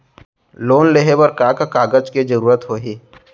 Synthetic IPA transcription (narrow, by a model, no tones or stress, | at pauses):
loːnleɦebɐɾkaːkkaːɡəd͡ʒkid͡ʒəɾuːɾət̪ɦoːɦiː